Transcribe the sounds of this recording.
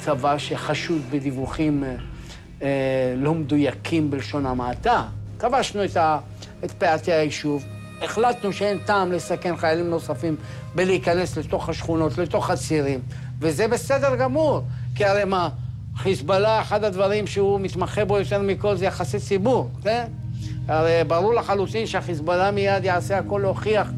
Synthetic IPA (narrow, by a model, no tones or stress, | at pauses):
t͡savaʃeχaʃudbedivuχim | lo̞md̪ujakʰimbelʃo̞namat̪akavaʃnuet̪a | et̪peat̪eaiʃuv | eχlat̪nuʃeent̪aːmlesake̞nχajalimno̞safim | beliːkane̞sle̞t̪o̞χhaʃχuno̞tle̞t̪o̞χat͡siʁim | vezebe̞se̞d̪e̞ʁɡamuʁkiaʁejma | χisbalaeħad̪ad̪vaʁimʃeumit̪maχebo̞jo̞t̪e̞ʁmiko̞lzejaχasit͡sibuʁken | aʁejbaʁuʁlaχalut̪inʃeaχisbalamijad̪jaʕase̞ako̞lo̞χiaχ